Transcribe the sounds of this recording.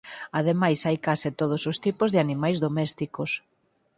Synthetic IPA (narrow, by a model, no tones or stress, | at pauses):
að̞emajsajkasɪt̪oð̞ʊsost̪ipozðɪanimajzðomɛst̪ikos